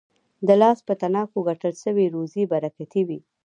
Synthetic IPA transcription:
d̪əlɑspət̪anɑkoɡaʈəlʃəwiɾozibaɾakat̪iwi

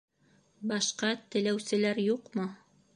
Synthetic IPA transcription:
bɑʃqɑt̪ɘ̆læwsɘ̆læɾjuqmɤ

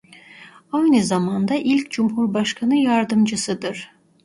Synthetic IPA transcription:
ɑjnɯzɑmɑnd̪ɑʔilʲcʰʲd͡ʒumhuɾbɑʃkʰɑnɯjɑɾd̪ɯmd͡ʒɯsɯd̪ɯɾ̥

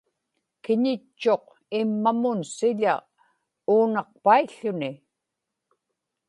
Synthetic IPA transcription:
kɪɲɪt͡ʃːo̞q | ɪmːamʊnsɪʎa | uːnɑq̚paiɬʊnɪ

